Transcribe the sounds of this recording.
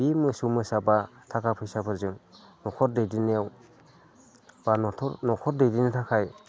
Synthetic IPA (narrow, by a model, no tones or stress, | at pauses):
bimɯsumɯsabatʰakʰapʰɯjsapʰɯɾzɯŋnɔkʰɔɾdejdineaw | b̥anɔtʰɔɾnɔkʰɔɾ̚dejdinitʰakʰaj